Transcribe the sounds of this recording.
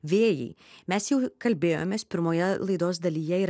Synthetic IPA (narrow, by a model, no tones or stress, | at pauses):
ʋʲeːjɛ̰ɪmʲɛsjɛʊkɐlʲbʲeːjo̰ːmʲeːspʲɪɾmoːjɛlˠɐɪd̪oːsd̪ɐlʲiːjɛiɾ